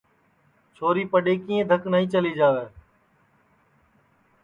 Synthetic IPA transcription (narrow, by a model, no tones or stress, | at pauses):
t͡ʃʰoːɾiːpəɗeːkiːẽd̪ʱəknaɦĩːt͡ʃəliːd͡ʒaːʋeː